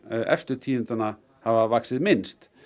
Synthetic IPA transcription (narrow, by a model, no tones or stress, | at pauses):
ʔɛ̰ft̪ʏɾ̥t̪ʰiːɪnt̪ʏna | havavaksɪðmɪnst̪